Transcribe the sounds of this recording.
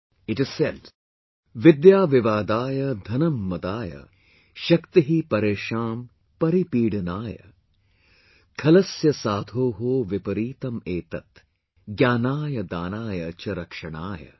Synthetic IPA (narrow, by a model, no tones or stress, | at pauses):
ɪʈɪz̥seɖ | ʋɪd̪jaːʋɪʋaːd̪aːjɐd̪ʱɐnɐmːɐd̪aːjɐ̰ | ʃɐkt̪iɦipɐɾeːʃaːm | pɐɾipiːɽɐnaːjɐ̰ | kʰɐlɐsjɐsaːd̪ʱoːɦoːʋɪpɐɾiːt̪ɐmeːt̪ɐt̪ | ɡjaːnaːjɐd̪aːnaːjɐt͡ʃɐɾɐkʂɐɳ̃aːjɐ̰